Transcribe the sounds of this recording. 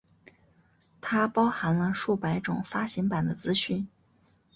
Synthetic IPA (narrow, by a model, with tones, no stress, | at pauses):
t̪ʰa˥pɑ˥ʊxa˧˥nlə˧ʂu˥˩pa˧˥ɪʈ͡ʂʊ̰˨˩ŋfa˥ɕi˧˥ŋpa˨˩nd̪ə˦t͡sɹ̩˥ɕy˥˩n